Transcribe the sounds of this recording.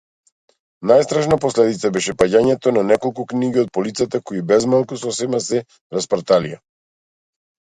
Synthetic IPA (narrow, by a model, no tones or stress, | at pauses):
najst̪ɾaʃnapɔslɛd̪it̪sabɛʃɛpaɟaɲɛt̪ɔnanɛkɔlˠkukniɡiɔt̪̚pɔlit̪sat̪akɔibɛzmalˠkusɔsɛmasɛ | ɾaspɾt̪alḭja̰